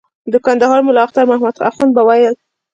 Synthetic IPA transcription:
d̪əkand̪aɦɑɾmʊlɑaxt̪aɾmahmad̪a̰fɣɑnbawajəl

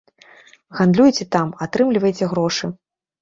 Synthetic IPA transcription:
ɣand̪lʲujt͡sʲɛt̪amat̪ɾɨmlʲivɐjt͡sʲɛɣɾɔʂɨ

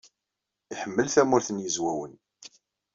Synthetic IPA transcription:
iħəmːəlθæmʊɾθənjəzwæwən

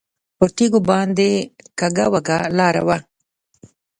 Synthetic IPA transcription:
pəɾt̪iɡobɑnd̪ekaɡawaɡalɑːɾa̰wa

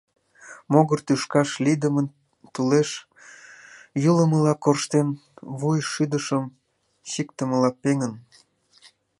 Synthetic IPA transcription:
moɣərt̪yʃkɑʃlid̪əmən | t̪uleʃ | juləməlɑkorʃt̪enβujʃyd̪əʃəm | ɕikt̪əmə̆lɑpeŋən

